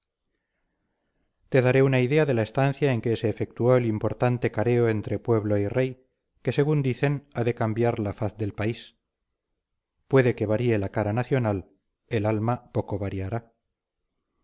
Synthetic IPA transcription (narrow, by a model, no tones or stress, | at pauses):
t̪e̞ðaɾe̞unaiðe̞aðe̞lae̞st̪an̟θjae̞ŋke̞se̞ːfe̞k̚t̪uo̞elimpo̞ɾt̪ant̪e̞kaɾe̞o̞e̞nt̪ɾe̞pwe̞βlo̞ire̞j | ke̞se̞ɣund̪iθe̞naðe̞kambjaɾlafaθðe̞lpais | pwe̞ðe̞ke̞βaɾie̞lakaɾanaθjo̞nal | e̞lalmapo̞ko̞βaɾiaɾa